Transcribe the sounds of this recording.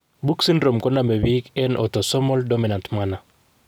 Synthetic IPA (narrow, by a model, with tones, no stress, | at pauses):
bu˦ksi˦nɾo˨mkɔ˦na˨me˨wikɛ˦nʔɔ̰tɔ˨sɔ˦mɔ˦ldɔ˦mi˨na˨ntmana˨